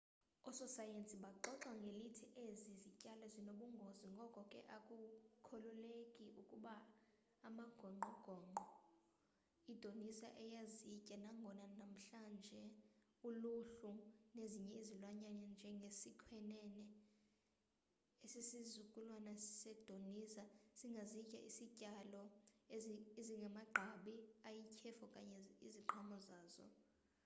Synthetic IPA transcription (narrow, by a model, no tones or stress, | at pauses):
ɔsɔsajensʼiɓaǃɔǁaŋɡʱelitʰiʔezizicʼalɛzinoɓuŋɡʱoziŋɡʱɔkʼɔkʼɛ̰ʔakʼukʰɔlulekʼiʔukʼuɓaː | maɡ̥ʱɔŋ͡ǃʱɔɡ̥ʱɔŋ͡ǃʱɔ | id̥ʱonisa̰ʔɛjazicʼɛnaŋɡʱɔnanam̩ɬand͡ʒʱɛ | uluɬuneziɲɛizilwaɲanɛnd͡ʒʱɛŋɡʱesikʰwɛnɛnɛ | esisizukʼulwanassɛd̥ʱonisasiŋɡʱazicʼa̰ʔisicʼalɔeeziŋɡʱɛmaɡ͡ǃʱaɓiajikʰɛfɔkʼa̰ɲɛiziǃʰamɔzaːzɔ̰